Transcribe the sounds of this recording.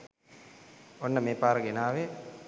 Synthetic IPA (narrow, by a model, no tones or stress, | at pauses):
onːəmeːpaːɾəɡenaːʋe